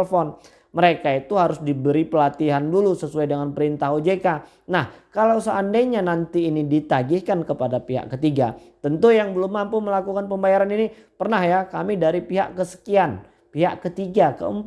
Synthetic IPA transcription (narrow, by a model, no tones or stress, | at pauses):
fɔn | məɾekait̪uɦaɾʊsdibəɾipəlat̪iɦandulusəsuajdəŋanpəɾint̪aɦod͡ʒeka | nahkalawsəːndajɲanant̪iːnidit̪aɡɪhkankəpadapiɦa̰ʔkət̪iɡa̰t̪ənt̪ujaŋbəlʊmːampʊməlakukanpəmbajaɾanini | pərnahjakamidaɾipiɦa̰ʔkəsə̥kian | piɦaʔkət̪iɡakə̰əmp